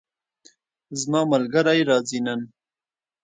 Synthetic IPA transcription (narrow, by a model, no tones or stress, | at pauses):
zmɑːmalɡaɾajɾɑːzinan